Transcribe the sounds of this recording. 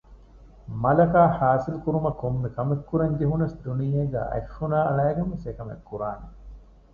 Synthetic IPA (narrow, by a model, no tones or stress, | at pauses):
mɐlɐkaːhaːsilukuɾumɐkomːekɐmekːuɾɐŋɡeɦunɐsd̪unijeɡæ̰ːʔɐ̰ʃːunaːɐɭæːɡemesekɐmḛkːuɾaːne